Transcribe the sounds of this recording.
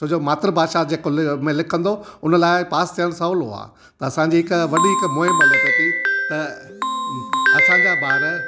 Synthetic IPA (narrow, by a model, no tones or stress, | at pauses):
t͡ɕoːd͡ʑomaːt̪ɾəbʱaːd̪ʃad͡ʑeːkomẽlɪkʰə̃nd̪oʊnə̆laːɪpaːst̪ʰijəɽ̃sɐlɦo̰a̰ː | t̪ɐɐsãːɲd͡ʑiːɦɪkʋɐɗiɦɪkmoːɦɪ̃mɐlot̪et̪it̪ɐ | ɐsãɲd͡ʑaːbaːɾ